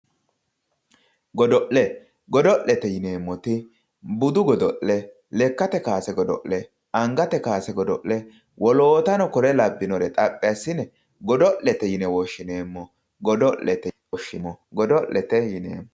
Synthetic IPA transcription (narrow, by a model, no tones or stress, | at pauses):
ɡɔd̪ɔʔlɛ | ɡɔd̪ɔʔlɛt̪ɛjɪne̞ːmːɔt̪ɪ | bʊd̪ʊɡɔd̪ɔʔːɛ | lɛkːɐt̪ɛkaːsɛɡɔd̪ɔ̰ʔlɛ | ɐŋɡɐt̪ɛkaːsɛɡɔd̪ɔʔlɛ | wʔɔloːt̪ɐnɔkɔɾɛlɐbːɪnɔɾɛt̪ʼɐpʼːɪjɐsːɪnɛ | ɡɔd̪ɔʔːɛt̪ɛjɪnɛwɔʃːɪneːmːɔ | ɡɔd̪ɔʔlɛt̪ɛ | ɔʃːɪmɔɡɔd̪ɔʔlɛt̪ɛjɪnḛːmː